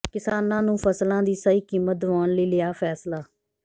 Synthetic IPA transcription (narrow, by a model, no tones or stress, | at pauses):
kɪsaːnãːnũːpʰəslãːd̪iːsəiːkiːmət̪̚d̪ʊʋaːnləiːlɪjaːpʰɛːslaː